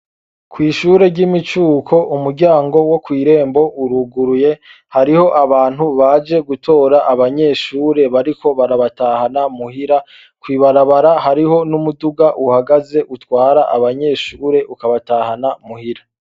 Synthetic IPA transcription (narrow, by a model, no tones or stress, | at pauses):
kʰwiːʃuːɾe̞ɟimit͡ʃuːkʰo̞ʔumuɾɟaːŋɡo̞wo̞kwiːɾe̞ːmbo̞ʔuɾuɡuɾuje̞ | haɾiho̞ʔaβaːn̥huβad͡ʒe̞ɡutʰo̞ːɾaʔːβaɲe̞ːʃuːɾe̞βaɾikʰo̞βaɾaβataːhanamuhiɾa | kwiːβaɾaβaɾahaɾiho̞numuduɡaʔuhaɡaze̞ʔutwaːɾaʔaβaɲe̞ːʃuːɾe̞ʔukaβatahanamuhiɾa